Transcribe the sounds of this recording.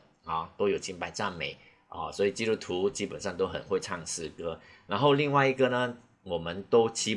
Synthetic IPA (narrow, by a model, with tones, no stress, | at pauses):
ɔ˨˩t̪o˥jo˨˩ʊt͡ɕʰi˥npa˧˥˩ɪʈ͡ʂa˥˩nme˧˩ɪ | ə˥˧swɔ˧˥i˨˩t͡ɕi˥ɾu˥t̪ʰu˧˥t͡ɕi˥pə˨˩nʂɑ˥˧ŋt̪o˥ʊxə̰˨˩nxwe˥˧ɪʈ͡ʂʰɑ˥˧ŋsɹ̩˥˩kɤ˥na˧˥nxo˥˧ʊli˥˧ŋwa˥˩ɪi˧˥ɡə˨nə˨ | wɔ˨˩mə˦nt̪o˥ʊt͡ɕʰi˥